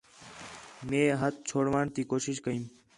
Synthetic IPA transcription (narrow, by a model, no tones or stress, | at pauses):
mẽːɦət̪̚t͡ʃʰoːɽʋaːɳt̪iːkoːʃɪʃkəĩːm